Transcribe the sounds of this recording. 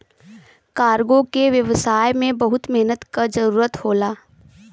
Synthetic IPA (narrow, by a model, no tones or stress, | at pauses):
kaːɾɡõkeʋjəʋsaːjmẽbɐɦʊt̪mɛɦnət̪kad͡ʒɐɾuːɾət̪hoːlaː